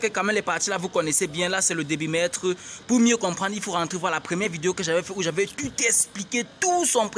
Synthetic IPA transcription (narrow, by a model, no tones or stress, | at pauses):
kəkaɑ̃mɛmlɛpaʁt̪ilavukɔnɛsebjɛ̃lasɛləd̪ebimɛt̪χəpuʁmjøkɔ̃pχɑ̃d̪ʁilfoʁɑ̃t̪χevwalapχəmjɛʁvid̪eokəʒavɛfɛuʒavɛt̪ut̪ɛspliket̪usɔ̃p